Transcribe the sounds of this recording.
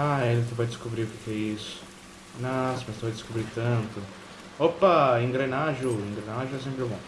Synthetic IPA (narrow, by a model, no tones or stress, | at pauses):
aelɪ̃t̪evajd̪ɪskobɾiʊkekɪɛisʊ̥ | nɔsɪmɐjst̪õwɐd̪ɪskobɾit̪ɐ̃nt̪ʊ | opɐẽŋɡɾenaʒʊẽŋɡɾenaʒʊɛs̬ẽmpɾɪɛbõ